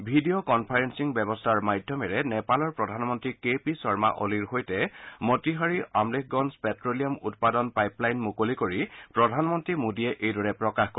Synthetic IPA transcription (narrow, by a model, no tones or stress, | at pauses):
bʱidijokɔnpʰaɹensiŋbɛbɔstʰaɹmajdʱjɔmɛɹɛnɛpalɔɹpɹɔdʱanmɔntɹikepisɔɹma̰ʔo̰liɹhojtɛmɔtiɦaɹiʔamlekʰɡɔnspɛtɹolijɔmut̚padɔnpajplajnmukolikoɹipɹɔdʱanmɔntɹimodiɛʔejdɔɹɛpɹɔkaxkɔ